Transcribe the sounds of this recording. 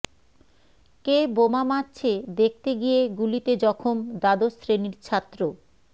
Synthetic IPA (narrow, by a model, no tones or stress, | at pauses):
kebomamat͡ɕʰed̪ek̚ʰt̪eɡijeɡulit̪ed͡ʑɔkʰomd̪ad̪osɾeniɾt͡ɕʰat̪ːɾo